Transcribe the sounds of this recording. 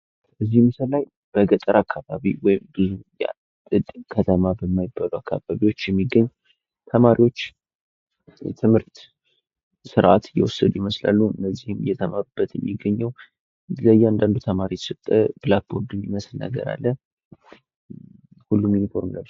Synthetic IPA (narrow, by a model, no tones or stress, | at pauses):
b̥əzːihmsəlaj | b̥əɡət̪ʼəɾakʰːaβaβiwɔjɪmbɨzuja̰ | t̪ʼɨd̪ʼkʰət̪ʰəmabəmːajɪbːaluwakʰːaβaβiwo̞t͡ʃːjɛmːiɡːəɲː | t̪ʰəmaɾiwo̞t͡ʃː | ɛ̰t̪ʰɨmhɨɾt̪ | sɨɾʔat̪ɨjɛ̰wɔsːəd̪ujiməsla̰lːuɨnːəzːihɨmɨjːɛt̪ʰəmaɾɨb̥ːət̪jɛ̰mːiɡːəɲːəw | ləjːɛand̪and̪ut̪ʰəmaɾit̪sɨt̪ʼːəb̥ɨlak̚bo̞ɾd̪ɨmiməslnə̰ɡə̰ɾa̰lːə | hulːumjunifo̞ɾmla